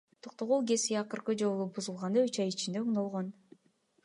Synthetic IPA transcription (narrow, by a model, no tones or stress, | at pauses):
t̪ʰoq̚t̪oʁulˠɡe̞siɑqɯɾqɯd͡ʒo̞lˠubuzulˠʁɑnd̪ɑyt͡ʃɑjit͡ʃind̪euɴnolˠʁon